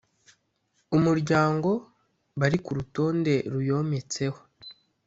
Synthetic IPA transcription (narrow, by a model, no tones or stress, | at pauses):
umuɾɟaːŋɡo̞ | βaɾikuɾuto̞ːnde̞ɾujo̞ːme̞t͡se̞ho̞̥